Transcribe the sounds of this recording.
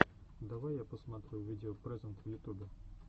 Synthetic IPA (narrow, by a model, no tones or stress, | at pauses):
d̪ɐʋajjapɔsmat̪ɾʊjʊʋʲidʲeɔpɾɛzɛnt̪wjʊt̪ubʲɪ